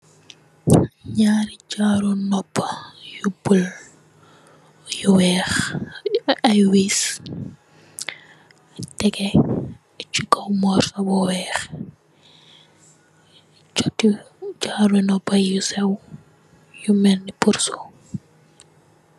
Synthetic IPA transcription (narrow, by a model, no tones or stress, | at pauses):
ɲaːɾit͡ʃaːɾunɔpːɐjubul | juwɛːx | ɐjwis | tɛkɛ | t͡ʃukɐwmɔrsɐbɔwɛːx | t͡ʃɔti | t͡ʃaːɾunɔpːɐjusɛw | jumɛnːipursu